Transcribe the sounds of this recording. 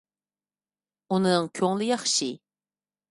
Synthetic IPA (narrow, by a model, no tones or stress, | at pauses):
unɨŋkʲʰøŋlɪjɑχʃi